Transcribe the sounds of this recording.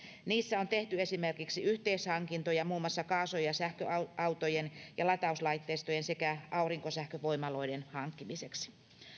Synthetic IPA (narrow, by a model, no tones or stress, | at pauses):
niːsːæont̪e̞ht̪yesimerkiksiyht̪eishɑŋkint̪ojɑmuːmːɑsːɑkɑːsojɑsæhkøɑɑwt̪ojenjɑlɑt̪ɑuslɑit̪ːeːst̪ojensekæʔɑuriŋkosæhkøʋoimɑlo̞idenhɑŋkːimiseksi̥